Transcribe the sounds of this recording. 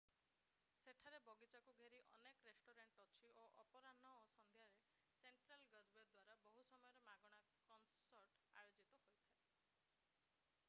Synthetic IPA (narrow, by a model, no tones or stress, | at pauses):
seʈʰaɾebɔɡit͡ʃakuɡʱeɾiʔɔnekɔɾesʈoɾeɳʈɔt͡ʃʰiʔoʔɔpɔɾanɔosɔnd̪ʱjaɾe | seɳʈɾalɡəd͡ʒbed̪waɾabɔɦusɔmɔjɔɾemaɡɔɽ̃a | kɔnsɔɾʈa̰jod͡ʒit̪ɔhojt̪ʰae